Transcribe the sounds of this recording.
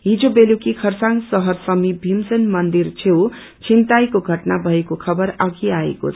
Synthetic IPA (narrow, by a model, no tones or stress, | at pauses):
ɦid͡zobelukikʰʌrsaŋɡsʌɦʌrsʌmibʱimsenmʌnd̪irt͡sʰew | t͡sʰint̪ajkoɡʱʌʈnabʱʌekokʰʌbʌɾʌɡiaḛko̰t͡sʰ